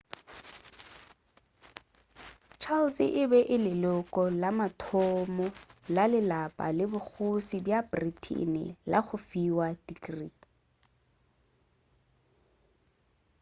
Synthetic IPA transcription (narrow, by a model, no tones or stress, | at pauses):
t͡ʃʰalsɪʔɪbɛʔɪlɪlʊkʼɔlamatʰɔmɔlalɪlapʼa̰lɪbʊk͡xʰʊsibjabritʰḭnɪ̰la̰ɣʊfiwadikri